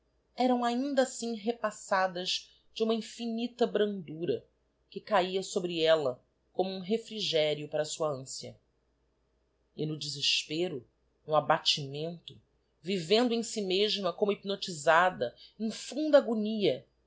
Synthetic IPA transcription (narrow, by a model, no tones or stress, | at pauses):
ɛɾɐ̃w̃aĩnd̪asĩŋɦepasad̪ɐz | d͡ʒɪũmɐĩfinit̪ɐbɾɐ̃nd̪uɾɐ | kɪkaiɐsobɾiɛlɐ | kõmʊũɦefɾiʒɛɾjʊpaɾɐsuɐɐ̃siɐ̰ | ɪnʊd͡ʒɪziʃpeɾʊ | nʊabat͡ʃimẽnt̪ʊ | vivẽnd̪ʊẽj̃simeʒmɐkõmʊipnot͡ʃizad̪ɐĩfũnd̪ɐaːɡuniɐ